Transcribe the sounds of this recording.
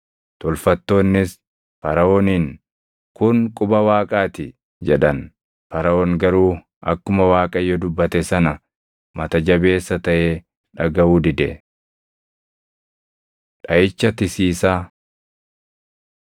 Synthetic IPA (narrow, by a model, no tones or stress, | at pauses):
t̪ɔlfɐt̪ːo̞ːnːɪs | fɐɾɐoːniːn | kʊnkʼʊbɐwaːkʼaːt̪ɪ | d͡ʒɛᶑɐn | fɐɾɐoːŋɡɐɾuː | ʔɐ̰kːʊmɐwaːkʼɐjːɔd̪ʊbːɐt̪ɛsɐnɐ | mɐt̪ɐd͡ʒɐbe̞ːsːɐt̪ɐʔeː | ᶑɐɡɐuːd̪ɪd̪ɛ | ᶑɐjɪt͡ʃːɐt̪ɪsiːsaː